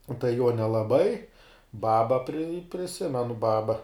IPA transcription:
ʊ tɐɪ juɔ nʲɛlˠɐˈbɐɪ ˈbɑːbɐ pʲrʲɪ pʲrʲɪˈsʲɪmʲɛnʊ ˈbɑːbɐ

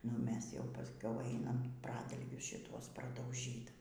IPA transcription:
nʊ ˈmʲɛs jɛʊ pɐsʲˈkʲɛʊ ˈɐɪnɐm ˈprɑːdɐlʲɡʲʊs ʃʲɪˈtuɔs prɐdɐʊˈʒʲiːt

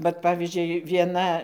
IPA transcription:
ʋɐt ˈpɑːʋʲiːzʲd͡ʒʲʊɪ ʋʲiɛˈnɐ

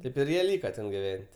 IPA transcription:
ˈtʲeːp ɪr ˈjiɛ ˈlʲiːkɐ ˈtʲɛn ɡʲɪˈʋʲɛnʲtʲ

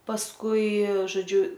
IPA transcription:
pɐsˈkʊɪ ʒoːˈd͡ʒʲʊ

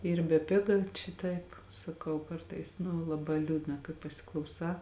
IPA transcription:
ˈiːr bʲɛˈpʲɪɡɐ t͡ʃʲɛ ˈtɐɪp sɐˈkɐʊ ˈkɐrtɐɪs nʊ lˠɐˈbɑː ˈlʲuːdnɐ kɐɪ pɐsʲɪklˠɐʊˈsɑː

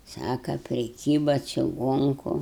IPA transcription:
ˈsɑːkɐ pʲrʲɪˈkʲiːbɐ t͡ʃʲɪˈɡoːŋkʊ

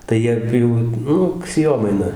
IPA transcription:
tɐɪ ˈjiɛ ˈjuː ˈnʊk sʲeːˈjoːmɐɪnɐ

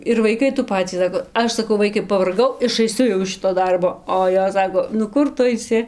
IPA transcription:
ɪr ʋɐɪˈkɐɪ tuː ˈpɑːt͡sʲiː ˈsɑːkoː ˈɐʃ sɐˈkɐʊ ˈʋɐɪkɐɪ pɐʋɐrˈɡɐʊ ɪʃɐɪˈsʲʊ jɛʊ ɪʃ ˈʃʲɪtoː ˈdɐrboː oː ˈjoːs ˈsɑːkoː nʊ ˈkʊr ˈtʊ ɐɪˈsʲɪ

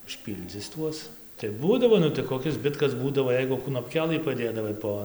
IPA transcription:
ʊʃʲˈpʲiːlʲd͡zʲɪs ˈtuɔs tɐɪ ˈbuːdɐʋoː ˈnʊ tɐɪ koːˈkʲɪs ˈzʲbʲɪtkɐs ˈbuːdɐʋoː ˈjɛɪɡʊ knoːpʲˈkʲæːlˠɨ pɐˈdʲeːdɐʋɐɪ ˈpoː

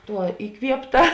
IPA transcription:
ˈtuɔ ɪˈkʋʲiɛpˌtɐ

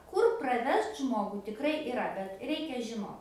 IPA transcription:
ˈkʊr prɐˈʋʲɛst ˈʒmoːɡʊ tʲɪkˈrɐɪ ɪˈrɐ bʲɛt ˈrʲɛɪkʲɛ ʒʲɪˈnoːt

